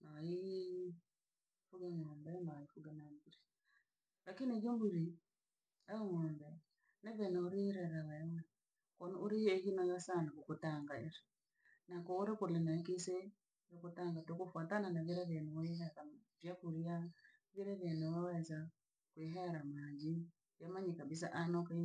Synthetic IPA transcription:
nawi | fuɣeŋɔːmbɛnaaifuɡɛnambuɾi | lakinid͡ʒombuɾi | aeŋɔːmbɛ | neβenɛoɾiɾɛɾaɣaemɛ | kɔnoɾieɣinaɣasanakokotaŋɡaeɾe | nakɔːɾekolenaekese | jokotaŋɡatokofwatananaβeɾɛβenɛwehɛɾavjakuɾja | veɾɛβenɛwɛwɛza | kweɦɛɾamad͡ʒi | jamaɲikaβis̬aʔanɔka

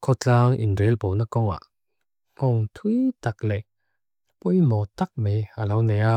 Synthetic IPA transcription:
kʰɔt͡saŋḭnɾelponakɔwŋa̰ | kɔŋt̪ʰwit̪ak̚lɛ | pujmɔt̪ak̚mealawnɛa

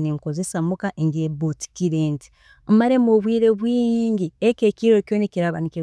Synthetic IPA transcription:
neŋkozesamukaʔeŋɡeboti̥kiɾeːnti̥ | maɾemoβwiːɾeβwiːŋɡɟiekekiɾokoːnekiɾaβaniki

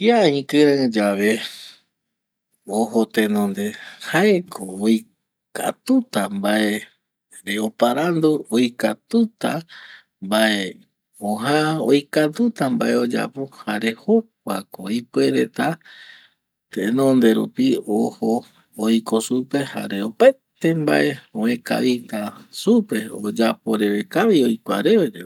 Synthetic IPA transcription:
iaĩkɨɾãd͡ʒaβe̞ | oɦot̪enõnd̪e̞haekʰoːj | ka̰t̪ut̪ambaʔe | ɾeopaɾand̪uojkat̪ut̪a | mbaʔe | õɦão̰jkat̪ut̪ambae̞o̞d͡ʒa̰pohaɾe̞hop̚ʷakoipweɾe̞t̪a | t̪eʔẽnõ̞nd̪e̞ɾṵpiohoː | jko̞supe̞ha̰ɾeopaet̪e̞mba̰ʔe̞õẽka̰βit̪asupe̞od͡ʒapo̞ɾe̞βe̞kaʋio̞jkʷaɾe̞ed͡ʒe

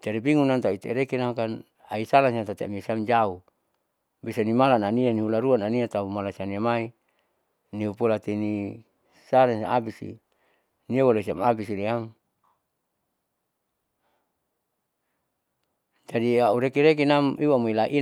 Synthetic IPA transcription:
t͡ʃaɾibiŋunant̪ait̪ḛɾekinaŋkan | aisalansant̪at̪ea̰miasiamd͡ʒau | bisanimalananianiɦulaɾuananiat̪aumalasianiamai | niupulat̪ini | salansabisḭ | niawolesiamabisiɾiam | d͡ʒadiauɾekiɾek̬inamiwamuilaʔi

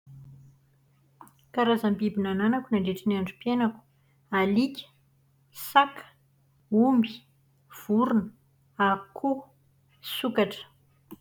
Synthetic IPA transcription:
kaɾazambibinananakunaɳɖ͡ʐeʈ͡ʂiniaɳɖ͡ʐupienaku̥ | alikʲə̥ | sakʰə̥ | umbi̥ | v̥uɾunə | akʰu | sukaʈ͡ʂə̥

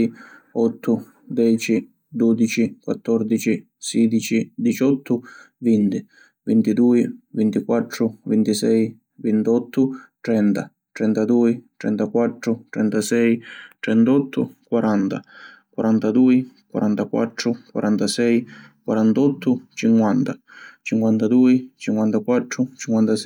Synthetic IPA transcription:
ɔt̪ʰːʊ | d̪ɛːt͡ʃi | d̪ɔd̪it͡ʃikwat̪ːɔrd̪it͡ʃi | siːd̪it͡ʃid̪it͡ʃɔt̪ːʊ | vint̪i | vint̪id̪uːivint̪ikwat̪ːɾʊvint̪isɛj | vint̪ɔt̪ʰːʊt̪ɾɛnt̪a | t̪ɾɛnt̪ad̪uːit̪ɾɛ̰nt̪akwat̪ːɾʊt̪ɾɛ̰nt̪asɛjt̪ɾɛnt̪ɔt̪ʰːʊ̰kwaɾʔant̪a | kwaɾant̪ad̪uːikwa̰ɾʔant̪akwa̰t̪ːɾʊkwa̰ɾant̪asɛj | kwaɾant̪ɔt̪ːʊt͡ʃiŋkwant̪at͡ʃiŋkwant̪ad̪uːit͡ʃiŋkwant̪akwat̪ːɾʊt͡ʃiŋkwant̪asɛ

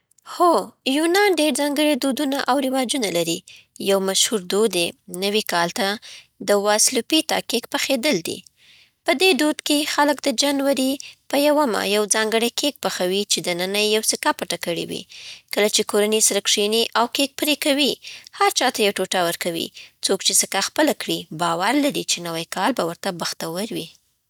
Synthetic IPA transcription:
xojunɑnɖeɾd͡zɑŋɡəɽed̪od̪unaʔawɾɪwɑd͡ʒunalaɾi | jawmaʃhuɾd̪od̪enəwikɑlt̪a | d̪əwaslupit̪ɑ̰kekpaxed̪əld̪ḭ | pəd̪ed̪od̪kexaləkd̪əd͡ʒanwaɾipəjawama̰jawd͡zɑŋɡəɽəjkʰek̚paxawit͡ʃed̪ənənajjawsɪkapaʈakəɽḭwḭkəlat͡ʃekoɾanesaɾakʂiniʔawkek̚pɾekawihaɾt͡ʃɑt̪ajawʈoʈawəɾkawḭt͡sokt͡ʃesəkaxpəlakɽibɑwaɾlaɾit͡ʃenawajkɑlbawəɾt̪abaxt̪awəɾwi

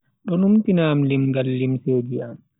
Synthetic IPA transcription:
ɗɔnumtinaːmlimɡalːimseːd͡ʒiam

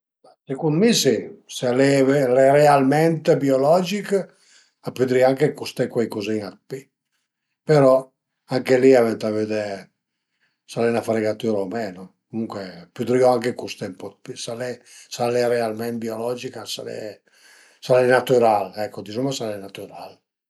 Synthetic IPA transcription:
asekund̪misisalɛvrɛrealmɛnt̪biolɔd͡ʒik | apyd̪ɾiaŋkekust̪ɛkwɛjkozinat̪̚pi | peɾɔ | aŋkeliavɛnt̪aved̪ɛ | salɛnafaɾeɡat̪yɾaomɛːnokomuŋkwepyd̪ɾiɔaŋkekust̪ɛmpɔt̪̚pisalɛ | salɛrɛalmɛnt̪̚biolɔd͡ʒikasalɛ̰ | salɛnat̪uɾalɛkːod̪isumasalɛnat̪uɾal

